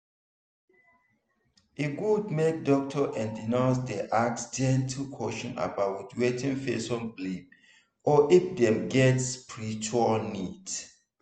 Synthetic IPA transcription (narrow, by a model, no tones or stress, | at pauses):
eɡud̚mek̚dɔk̚tʰɔʔɛ̃ndinaʊsdɛʔak̚sd͡ʒɛ̃ntʰikʰɔʃɔ̃na̰bawtwɛtĩnfesɔ̃nblib̚ | ɔʔifdɛ̃mɡɛtspʰɹitɔnit